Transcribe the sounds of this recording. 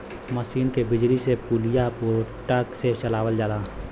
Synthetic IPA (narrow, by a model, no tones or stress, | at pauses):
məsiːnkebɪd͡ʒlisepuːlɪjapoɾʈakset͡ʃəlaːwəld͡ʒaːd̪aː